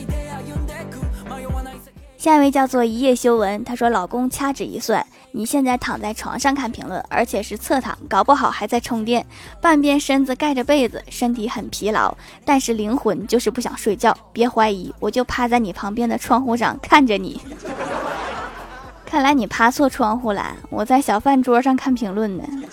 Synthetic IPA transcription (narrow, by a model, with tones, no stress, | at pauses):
ɕja˥˧˥we˥˧ɪt͡ɕjɑ˥˧ʊt͡swɔ˥˩i˧˥jɛ˥˩ɕjo˥ʊwə˧˥nt̪ʰa˥ʂwɔ˥lɑ˨˩ʊkʊ˥ŋt͡ɕʰja˥ʈ͡ʂɻ̩˨˩ḭ˧˥swa̰˥˩n | ni˨˩ɕjɛ˥˧nt͡sa˥˩ɪt̪ʰɑ˨˩ŋt͡sa˥˩ɪʈ͡ʂʰwɑ̰˧˥ŋʂɑ˥˧ŋkʰa˥˩npʰḭ˧˥ŋlə̰˥˩nə̰˞˧˥t͡ɕʰjɛ˨˩ʂɻ̩˥˧t͡sʰɤ˥˩t̪ʰɑ̰˨˩˦ŋkɑ˨˩ʊpu˥˩xɑ˨˩ʊxa˧˥ɪt͡sa˥˩ɪʈ͡ʂʰʊ˧˥ŋt̪jɛ˥˧npa˥˧npjɛ˥˧nʂə˥nd͡zɹ̩˧ka˥˩ɪʈ͡ʂə˩pe˥˩ɪd͡zɹ̩̰˨˩ʂə˥ŋt̪ʰi˧˥xə˨˩npʰi˧˥lɑ̰˧˥ʊ | t̪a˥˧nʂɻ̩˥˩li˧˥ŋxwə˧˥nt͡ɕjo˥˧ʊʂɻ̩˥˧pu˥˩ɕjɑ̰˨˩ŋʂwe˥˧ɪt͡ɕjɑ˥˩ʊpjɛ˧˥xwa˧˥ɪi˧˥wɔ˨˩t͡ɕjo˥˩ʊpʰa˥t͡sa˥˩ɪni˨˩pʰɑ˧˥ŋpjɛ˥nd̪ə˨ʈ͡ʂʰwɑ˥ŋxu˥˩ʂɑ̰˨˩ŋkʰa˥˩nʈ͡ʂə˩nḭ˨˩˦ | kʰa˥˩nla˧˥ɪni˨˩pʰa˥t͡sʰwɔ˥˧ʈ͡ʂʰwɑ˥˧ŋxu˥˩la̰˧˥ɪwʔɔ˨˩t͡sa˥˩ɪɕjɑ˨˩ʊfa˥˩nʈ͡ʂwɔ˥ʂɑ˥˧ŋkʰa˥˩npʰi˧˥ŋlwə˥˩nnə̰˩